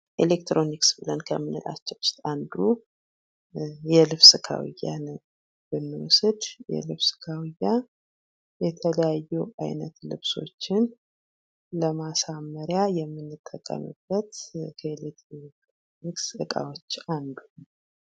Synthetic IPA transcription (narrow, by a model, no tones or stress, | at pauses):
ʔelekt̪ɾo̞niksbɨlənkʰə̰mːɨnɨla̰t͡ʃːɛwst̪and̪u | jɛlɨβsɨkʰa̰wḭjːa̰n | b̥ɨnːɨwʊsɨd̪jɛ̰lɨβsɨ̥kʰawijːa | jɛt̪ʰələjajːuʔajnət̪lɨ̰βso̞̰t͡ʃːɪn | ləmasamːəɾjajɛmːɨnːɨt̪ʼːəkʼːə̰mɨ̰b̥ːət̪kʰəelek̚t̪ɾoekt̪ɾoniksɨkʼa̰wo̞t͡ʃːand̪u